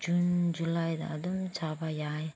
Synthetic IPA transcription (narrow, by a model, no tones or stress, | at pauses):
d͡ʒund͡ʒulajd̪a̰ad̪umt͡ʃabajaj